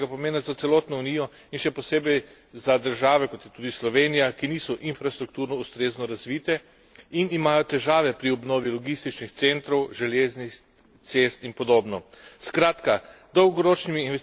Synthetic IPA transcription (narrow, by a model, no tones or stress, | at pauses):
ɡapɔmeːnazat̪sɛlɔt̪nɔuniːjɔ | inʃɛpɔseːbɛj | zad̪əɾʒaːʋɛkɔt̪jɛt̪uːd̪islɔʋeːnijakiniːsɔʔinfɾast̪ɾukt̪uːɾnɔust̪ɾeːznɔɾazʋiːt̪ɛ | inimaːjɔt̪ɛʒaːʋɛpɾiɔbnoːʋilɔɡist̪it͡ʃnixt̪sent̪ɾɔwʒɛleːzni | t̪sest̪inpɔd̪oːbnɔskɾaːt̪ka | d̪ɔwɡɔɾoːt͡ʃnimiːnʋɛs